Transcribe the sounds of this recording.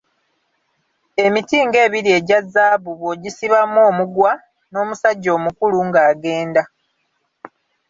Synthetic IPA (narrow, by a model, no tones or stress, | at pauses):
e̞mitiːŋɡe̞ːβiɾie̞ɟazːaːβuβoɟisiβamoːmuɡwa | no̞ːmusaɟːo̞ːmukuluŋɡaːɡe̞ːnda